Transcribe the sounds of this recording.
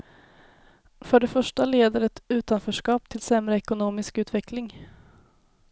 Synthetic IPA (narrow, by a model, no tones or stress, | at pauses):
fœɖɛfœʂʈaleːd̪əɾɛt̪ʉ̟ːt̪anfœːʂkɑːp̚t̪ʰɪlsɛmɾəɛkʊnoːmɪskʉ̟ːt̪vɛkʰlɪŋ